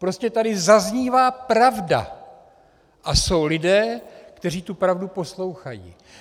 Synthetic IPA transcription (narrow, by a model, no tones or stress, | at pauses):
pɾo̞scɛt̪adɪzazɲiːvaːpɾavda̰ | ʔaso̞wlɪdɛːkt̪ɛr̝iːt̪upɾavdupo̞slo̞wxajḭː